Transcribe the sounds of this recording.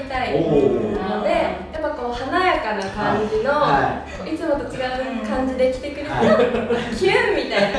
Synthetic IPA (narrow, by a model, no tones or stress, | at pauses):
it̪ainanod̪e̞japːako̞ːhanajakanakãɲd͡ʑino̞koit͡sɨmo̞t̪ot͡ɕiɡaɯ̟kãɲd͡ʑid̪ekʲi̥t̪e̞kɯ̟ɾɯ̟t̪okʲʰiɯmʲit̪aina